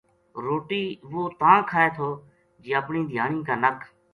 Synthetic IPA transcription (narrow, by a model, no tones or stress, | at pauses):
ɾoːʈiːʋoːt̪ãːkʰaːeːt̪ʰoː | d͡ʒiːəpɳĩːd̪ʱjaːɳĩːkaːnəkʰ